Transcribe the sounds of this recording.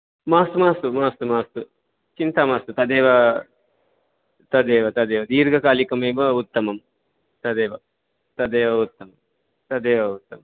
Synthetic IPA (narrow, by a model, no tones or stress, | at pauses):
maːst̪umaːst̪umaːst̪umaːst̪u | t͡ʃint̪amaːst̪ut̪ɐd̪eːʋɐ | t̪ɐd̪eːʋɐt̪ɐd̪eːʋɐd̪iːɾɡʱɐkaːlikɐmeːbɐut̪ːɐmɐm | t̪ɐd̪eːʋɐ | t̪ɐd̪eːʋɐut̪ːɐmɐm | t̪ɐd̪eːʋɐut̪ːɐmɐm